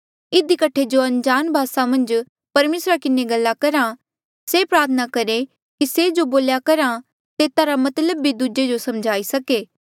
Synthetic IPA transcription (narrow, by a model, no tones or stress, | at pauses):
ɪd̪ikɐʈʰːed͡ʒoɐ̃nd͡ʒaːnbʱaːsamɐ̃nd͡ʒ | pɐɾmeːsɾakɪneɡɐlːakɐɾã | sepɾaːɾt̪ʰənakɐɾe | kised͡ʒoboːljakɐɾa | t̪eːt̪aɾamɐt̪ləbːid̪ud͡ʒed͡ʒosɐmd͡ʒʱaːisɐkeː